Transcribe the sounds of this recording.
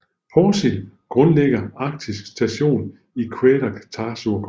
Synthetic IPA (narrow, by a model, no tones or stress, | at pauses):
fɒːsilɡ̥ʁɔ̽nleɡ̥ɐɑ̈ɡ̥̚d̥isɡ̥sd̥æɕo̝̰ːn | ikʰweɾ̥ɐkʰæ̥t͡sʰɑ̈ːsuɐkʰ